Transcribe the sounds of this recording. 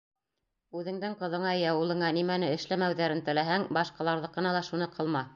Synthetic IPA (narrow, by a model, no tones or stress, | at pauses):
ʉðɘ̆ŋd̪ɘŋqɤ̆ðɤ̆ɴɑjɑwɤ̆lˠɤ̆ɴɑnimænɘɘ̆ʃlæmæwðæɾɘnt̪ɘ̆læɦæŋbɑʃqɑlˠɑɾðɤqːɤ̆nɑlˠɑʃunɤqʰɤ̆lˠmɑ